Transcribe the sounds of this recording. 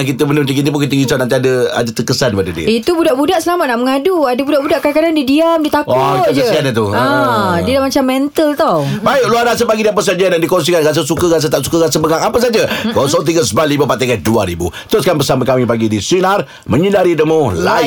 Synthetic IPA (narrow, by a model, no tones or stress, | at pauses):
akit̪əmənəmt̪ikit̪ip̬unkit̪əɡinsanant̪iadəa̰dət̪əkəsandəpadədiə̰it̪ubudaʔbudaʔsəlamanaʔməŋaduadəbudaʔbudaʔkaakadandidiamdit̪akaʊd͡ʒəskanat̪uadiədaʔmat͡ʃamːɛnt̪əlt̪ɔbaɪkluanasəpaɡidiap̬əsand͡ʒanaʔdikɔns̬ikanɡas̬əsukəɣas̬ət̪aʔsukəɣasəbəŋaŋapəs̬ad͡ʒəksaont̪̬iɡəsəbalibəpaʔt̪akaduaɾibṵt̪əɾʊskanbəsaməkamipaɡidiswinar | məɲəndaɾidəmula